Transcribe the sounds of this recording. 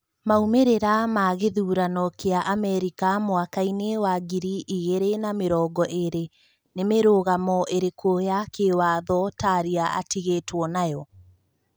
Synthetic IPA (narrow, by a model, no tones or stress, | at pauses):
maumeɾeɾamaɣeðuːɾanɔkʰeaʔamɛɾikamowakainewaɡiɾiʔiɣeɾenameɾɔːɡɔʔeɾe | nemeɾoːɣamɔʔeɾekʰojakewaðɔtaɾiaa̰tiɣetwɔnajɔ